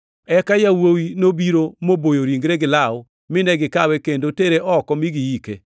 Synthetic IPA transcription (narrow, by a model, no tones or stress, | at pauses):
ɛkajawowinobiɾomobojoɾiŋɡɾeɡɪlaʊ | mɪnɛɡɪkawɛkendoteɾeʔɔkɔmiɡijike